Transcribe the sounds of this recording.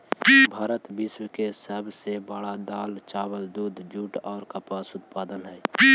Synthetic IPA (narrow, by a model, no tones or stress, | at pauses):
bʱaːɾət̪bɪswkesəbʱsebəɽad̪aːlt͡ʃaːwəld̪uːd̪d͡ʒuːʈɔːɾkəpaːsʊt̪paːd̪ənɦɛː